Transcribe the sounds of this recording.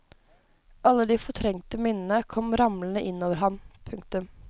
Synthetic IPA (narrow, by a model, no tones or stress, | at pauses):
ʔɑlːəd̪iːfɔʈʰɾɛŋt̪əmɪnənəkʰɔmɾɑmln̩əʔɪnːoːʋəɾɦɑnpʰʉŋkt̪ʉm